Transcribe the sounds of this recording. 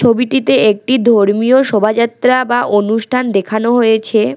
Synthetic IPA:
t͡ɕʰobiʈit̪eek̚ʈid̪ʱoɾmioʃɔbʱad͡ʑat̪ːɾabaʔonuʃʈʰand̪ekʰanoɦojet͡ɕʰe

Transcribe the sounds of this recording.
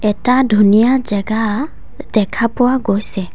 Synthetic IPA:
ɛtadʱunijazɛɡa | dɛkʰapʊwaɡojsɛ

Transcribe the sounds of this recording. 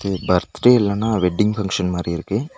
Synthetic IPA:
ɯbɐɾt̪ːɾeɛlːaːnːaːʋɛɖːɪŋɡfɐŋkʂɐnmaːd̪ɾiɪɾɯkːɯ

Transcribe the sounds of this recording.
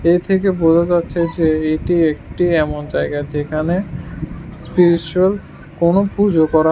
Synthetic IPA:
et̪ʰekebod͡ʑʱad͡ʑatːɕʰed͡ʑeeʈiek̚ʈiɛmond͡ʑaeɡad͡ʑekʰane | spiɾit͡ɕuel | konopud͡ʑokɔɾa

